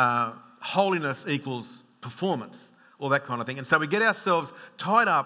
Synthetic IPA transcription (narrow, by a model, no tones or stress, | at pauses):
hoʊlˠinɨsikwəl̩ˠz̥ | pʰə˞fɔɹmə̃ns | ə˞ðɨt̚kʰãɪ̃ndəθɪ̃ŋɨ̃nsoʊwiɡɛɾaʊəsɛlˠvz̥tʰaɪɾʌp̚